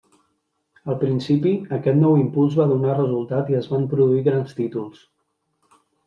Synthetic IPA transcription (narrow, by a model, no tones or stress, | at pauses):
əlˠpɾinsipiəkɛt̪nɔwimpulˠzβaðunarəzulˠt̪at̪iəzβampɾuðuiɣɾanst̪it̪ulˠs